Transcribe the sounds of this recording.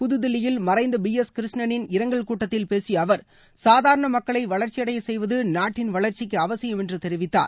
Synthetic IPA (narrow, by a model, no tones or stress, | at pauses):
pʊðɯðɪlɪjɪlmɐrɐɪnd̪ɐbiɛskɪɾɪʂnɐnɪnɪɾɐŋɡɐɭkuːʈːɐt̪ːɪlpeːsiɐʋɐɾ | saːðaːɾɐɳɐmɐkːɐɭɐɪʋɐɭɐɾt͡ʃɪjɐɽɐjɐsɛjʋɐðɯnaːʈːɪnʋɐɭɐɾt͡ʃɪkːɯɐʋɐsɪjɯmɛndrɯt̪ɛɾɪʋɪt̪ːa̰ːɾ